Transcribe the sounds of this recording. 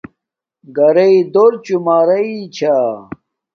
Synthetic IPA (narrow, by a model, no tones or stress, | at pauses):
ɡɐɾɐid̪oɾt͡ɕumaːɾɐit͡ɕʰa